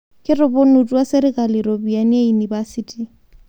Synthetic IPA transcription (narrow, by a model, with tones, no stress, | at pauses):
kʼɪrʊ˨bʊ˦nu˨tʼu˦wa˦sɪ˦ɾɪkʼa˨liɾo˨bia˨nɪ˦jei˨niba˦sitʼi